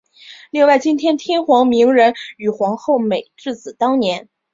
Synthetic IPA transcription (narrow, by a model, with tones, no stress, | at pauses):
li˥˧ŋwa˥˩ɪt͡ɕi˥nt̪ʰjɛ˥nt̪ʰjɛ˥nxwɑ˧˥ŋmi˧˥ŋɻə˧˥ny˨˩xwɑ˧˥ŋxo˥˩ʊme˨˩ɪʈ͡ʂɻ̩˥˩t͡sɹ̩˨˩t̪ɑ˥ŋnjɛ˧˥n